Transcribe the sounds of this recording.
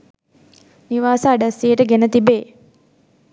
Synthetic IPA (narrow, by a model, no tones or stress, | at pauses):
niʋaːsəːɖasːijəʈəɡenət̪ibeː